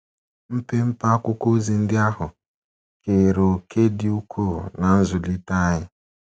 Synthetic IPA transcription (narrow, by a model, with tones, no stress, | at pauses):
m̩˦pe˦m̩˦pa˦kʊ˦ko˦zi˦n̩˦dɪ˦a˦ɦʊ˨ | ke˨ɾo˨kʰe˦di˦u˦kʰo˦˨na˨n̩˦zu˨li˦ta˦jɪ˦